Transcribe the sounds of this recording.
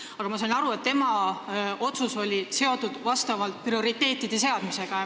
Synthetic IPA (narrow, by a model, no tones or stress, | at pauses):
ɑɡ̥ɑmɑsɑnɑɾue̞t̪ːe̞mɑ | o̞t̪suso̞lʲise̞o̞t̪ud̪̥vɑst̪ɑvɑlt̪̚prio̞ɾit̪ːˑe̞ːt̪ːˑid̪̥e̞se̞ɑd̪̥mise̞ɡ̥ɑ